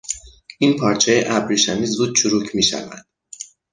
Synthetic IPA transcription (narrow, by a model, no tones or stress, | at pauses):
ʔinpʰɒːɾt͡ʃʰɛjeʔæbɾiʃæniːzuːd̪̚t͡ʃʰuɾuːcʰmiːʃæ̰væ̰nd̪̥